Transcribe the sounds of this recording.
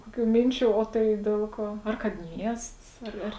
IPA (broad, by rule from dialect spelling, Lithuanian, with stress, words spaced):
ˈkoːkʲuː ˈmʲɪnʲt͡ʃʲuː oː ˈtɐɪ ˈdʲiɛlˠ ˌkuɔ ˈɐr kɐt ˈmʲiɛsts ˈɐr ˈɐr